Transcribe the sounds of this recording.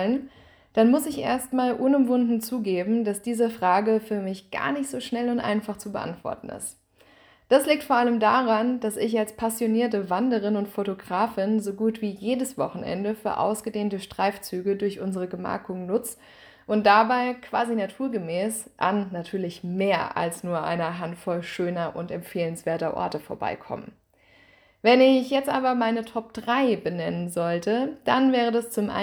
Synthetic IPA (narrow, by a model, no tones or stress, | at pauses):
lən | d̥anmʊsɪçʔḛːɐstmaːlʔʊnʊmvʊndn̩t͡suːɡeːbm̩d̥asd̥iːzəfʁ̥aːɡəfyːɐmɪçɡ̥a̰ːɐnɪçtz̥oːʃnɛlʊntʔa̰ɪnfaχt͡subəʔa̰ntv̥ɔ̰ɐtn̩ɪ̰st | d̥asliːk̚tfoːɐʔaləmdaːʁand̥asɪçalspʰasjoniːɐtəvandəʁ̞ɪnʊntfotoɡʁaːfɪnzoːɡuːtv̥iːjeːdəsv̥ɔχn̩ʔɛ̰ndəfyːɐʔa̰ʊsɡ̥ədeːntəʃtʁ̥aɪft͡syːɡədʊɐçʔʊnzəʁ̞əɡəma̰ɐkʊŋnʊt͡s | ʔʊntd̥abaɪkv̥a̰ːzinatʰuːɐɡəmɛːsʔa̰nːatʰyːɐlɪçmeːɐʔa̰lsnuːɐʔa̰ɪnɐɦantfɔlʃøːnɐʔʊntɛmfeːlənsv̥eːɐtɐʔɔ̰ɐtəfoːɐba̰ɪkʰɔ̰mə̰ | vɛnɪçjɛt͡stʔaːbɐmaɪnətʰɔp̚d̥ʁaɪbənɛnənzɔltʰəd̥a̰nvɛːʁ̞ədast͡sʊmʔa̰